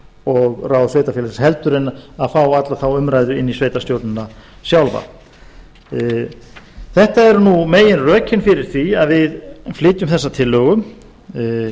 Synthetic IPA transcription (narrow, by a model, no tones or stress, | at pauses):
ɔɣrawðsveːjt̪afɛlɪɾshɛl̪t̪ʏɾɪnːaaðfawat̪laθawʏmɾajðʏɪnːisveːjt̪ast̪jowɾt̪nɪnasjawlva̰ | θɛht̪aɛɾnumeːjɪnrœːcʰɪnfɪɾɪɾ̥θviaðvɪðflɪːt̪ʏmθɛsːat̪ʰɪlːœːɣʏm